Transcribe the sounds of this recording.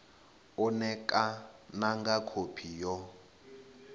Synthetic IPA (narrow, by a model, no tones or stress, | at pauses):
ɔnɛkʼanaŋɡakʰopʰijɔ